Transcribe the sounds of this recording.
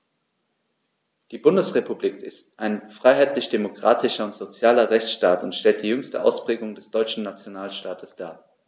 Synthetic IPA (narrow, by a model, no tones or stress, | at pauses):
d̥iːbʊndəsʁ̥epubliːkɪstʔaɪnfʁ̥aɪɦaɪtlɪçd̥emokʁ̥aːtʰɪʃɐʊntz̥ot͡sjaːlɐʁɛçt͡sʃtaːtʊntʃtɛlt̚d̥iːjʏŋstəʔa̰ʊspʁ̥eːɡʊŋdɛsd̥ɔʏt͡ʃn̩nat͡sjonaːlʃtaːtʰəsd̥aːɐ